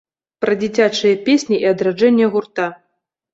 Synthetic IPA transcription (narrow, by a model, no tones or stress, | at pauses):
pɾɐd͡zʲit͡sʲat͡ʂɨjɐpʲesʲnʲiʔiɐd̪ɾad͡ʐɛnʲːɛɣurt̪a